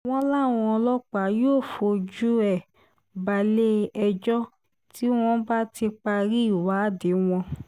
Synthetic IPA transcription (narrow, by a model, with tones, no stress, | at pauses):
w̃ɔ̃˧˦la˦˨w̃ɔ̃˧ɔ˧lɔ˦k͡pa˨˦joː˦˨fo˧d͡ʒu˦ɛ˦˨ | ba˧˨le˦ɛ˧d͡ʒɔ˦ | tʰi˦w̃ɔ̃˧ba˦ti˧k͡pa˧ɾi˦i˦˨wa˨˦˨de˨˦w̃ɔ̃˧